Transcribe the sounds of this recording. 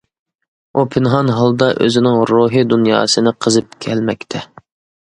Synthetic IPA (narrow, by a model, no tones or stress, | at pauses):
upʰɪnɦɑnɦɑlˠd̪ɑʔø̰zɪnɪŋɾuːɦɨd̪unjɑ̰ːsɨnɨqʰəzɨp̚kʲʰɛlmɛk̚ʲt̪ʰɛ